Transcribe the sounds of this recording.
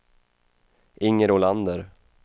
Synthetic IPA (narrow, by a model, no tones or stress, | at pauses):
ʔɪŋːəɾoland̪əɾ